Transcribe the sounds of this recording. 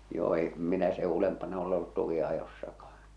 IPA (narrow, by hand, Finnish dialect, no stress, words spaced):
joː em minæ se ulempɑnɑ ole olːut tukiɑjosːɑkɑhɑ̥n̥